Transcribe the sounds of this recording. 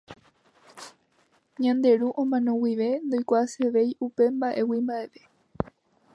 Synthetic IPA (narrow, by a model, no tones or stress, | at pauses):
ɲãnd̪e̞ɾuʔõmãnõwiʋe̞nd̪o̞jkʷaseʋe̞jʔupe̞mbaʔe̞wimbae̞ʋe̞